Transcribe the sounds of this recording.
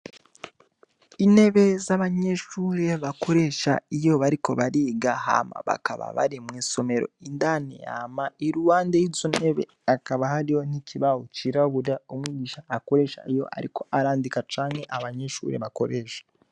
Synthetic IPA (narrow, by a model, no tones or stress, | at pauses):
ine̞βe̞zaβaɲe̞ʃuːɾe̞βako̞ɾe̞ʃa̰ijo̞βaɾiko̞̰βaɾiːɡaha̰ma̰βa̰kaβa̰βa̰ɾimwiːso̞me̞ɾo̞̰indanḛja̰maiɾuwaːndejizoneβe̞̰ | akaβahaɾijo̞n̥icʰiβahot͡ʃiɾaβuɾjaomwiːɟiːʃaːko̞ɾe̞ːʃa̰ijo̞̰ʔa̰ɾḭko̞ʔaɾaːndikat͡ʃaːŋe̞ʔaβaɲeʃṵːɾe̞̰βako̞ɾeːʃḁ